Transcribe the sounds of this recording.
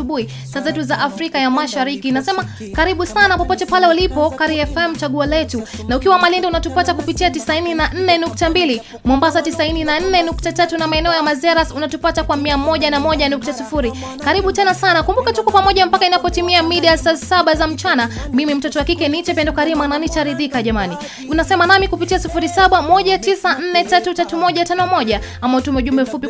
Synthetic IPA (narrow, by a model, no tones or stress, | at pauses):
uɓui | sazɛtuzaʔafɾikajamaʃaɾikinasɛma | kaɾiɓusanapɔpɔtɛpalɛulipɔkaɾiɛfɛm̩t͡ʃaɠualɛtunaukiwamalindɛunatupatakupitiatisaininan̩nɛnuk̚tambili | mwɔmbasatisaininan̩nɛnuk̚tatatunamaɛnɛɔjamazɛɾasunatupatakwamiamɔʄanamɔʄanuk̚tasifuɾi | kaɾiɓutɛnasanakumbukatukwapamɔʄam̩pakainapɔtimiamiɗiasasaɓazam̩t͡ʃanamimim̩tɔtɔwakikɛnit͡ʃɛpɛndɔkaɾimananit͡ʃaɾiðikaʄamani | unasɛmanamikupitiasifuɾisaɓamɔʄatisan̩nɛtatutatumɔʄatanɔmɔʄa | amautumɛuʄumbɛfupi